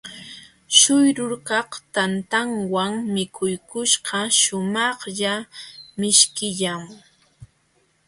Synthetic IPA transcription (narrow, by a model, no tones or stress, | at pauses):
ʃʊjɾʊɾkɑqt̪ant̪aŋwaŋmɪkʰʊjkʊʃɢɑʃʊmɑχʎamɪʃkɪʎaŋ